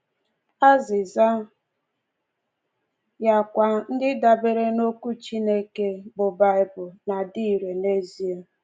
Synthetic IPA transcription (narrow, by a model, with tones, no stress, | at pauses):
a˦zɪ˨za˦ | ja˨kʷa˨n̩˦dɪ˦da˨be˦ɾe˦no˦ku˦t͡ʃi˦ne˦ke˦bʊ˨ba˦ɪ˦bʊ˨na˨di˦˨ɾe˨ne˦zi˦e˦